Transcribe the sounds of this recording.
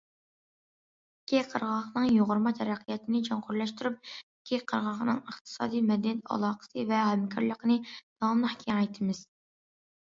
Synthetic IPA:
kʲʰːiqʰəɾʁɑχnɨŋjoʁʊɾmɑt̪ʰɛɾæqʰijɛt̪ʰɪnɪd͡ʒɑŋqʰʊɾlˠɛʃt̪yɾyp̚ | kʲʰiqʰəɾʁɑχnɨŋəχt̪ʰɨ̥sɑ̰ːd̪ijmɛd̪ɛnɛt̪ʰɑ̰lˠɑqʰə̥sɨvɛɦɛmkʲʰɑɾlˠəqnɨd̪̥ɑmlˠəχkʲʰeɛɑjt̪ʰɨmɨz̥

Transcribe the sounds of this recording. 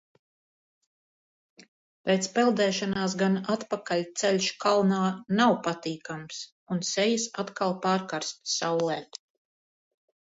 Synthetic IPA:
pɛt̪spɛlˠd̪ɛːʃanaːs̬ɡanat̪pakalʲt̪sɛlʲʃkalˠnaːnawpat̪iːkams | unsɛjisat̪kalˠpaːɾkaɾst̪sawlˠɛː

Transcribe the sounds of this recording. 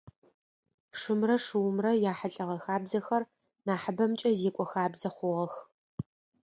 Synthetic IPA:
ʂɨmrɐʂɨwmrɐjaːħaɬʼɐʁɐxaːbzɐxɐr | naːħəbɐmt͡ʃʼɐzeːkʷʼɔxaːbzɐχʷʊʁɐx

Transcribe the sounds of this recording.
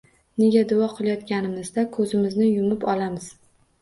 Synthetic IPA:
ne̞ɡʲad̪ʊɒqʰɨlˠajɒt̪kʲanɪmɪzd̪akʰɵzɪmɪznɪjʊmɪpɒlamɪz̥

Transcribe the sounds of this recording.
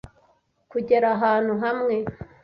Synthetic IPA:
kuɟeɾaɦaːn̥uɦamŋe

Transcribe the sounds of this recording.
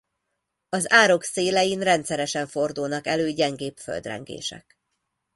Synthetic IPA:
ɒzaːɾo̞kseːlɛjinrɛnt̪sɛɾɛʃɛɱfo̞rd̪ulnɒkɛløːɟɛŋɡeːpfø̰ld̪rɛ̰ŋɡḛːʃɛ̰k

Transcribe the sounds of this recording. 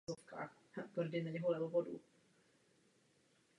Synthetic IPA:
zofka̰ːx | t̪vrdɪnaɲɛɦolɛbovodṵ

